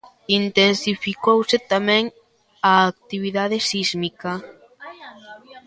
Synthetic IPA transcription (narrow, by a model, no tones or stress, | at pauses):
int̪ensifikowset̪amɛ̃ŋ | aːk̚t̪iβ̞iðað̞esizmika